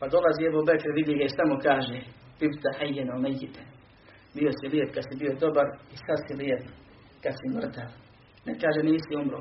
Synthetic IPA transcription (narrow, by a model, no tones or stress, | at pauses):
pad̪o̞laziːebobekɾeʋid̪jiɡaist̪amukaːʒe | pibt̪aħajːenomejit̪e | bijo̞siliepkad̪sibijod̪o̞baɾisad̪siliep | kad̪simr̩t̪al | nekaːʒeniːsiumɾoː